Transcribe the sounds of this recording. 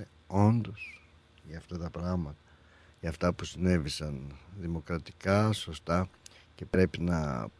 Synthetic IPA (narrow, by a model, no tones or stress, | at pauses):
e | o̞nd̪o̞s | ʝɐːft̪ɐt̪ɐpɾɐɣmɐt̪ɐ̥ | ʝɐːft̪ɐpusine̞visɐnðimo̞kɾɐt̪i̥kɐso̞st̪ɐce̞pɾe̞pinɐ